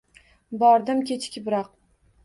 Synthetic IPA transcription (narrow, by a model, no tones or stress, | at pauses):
bɒɾd̪ɪmkʲʰet͡ʃʰkʲɪbɪɾɒq̚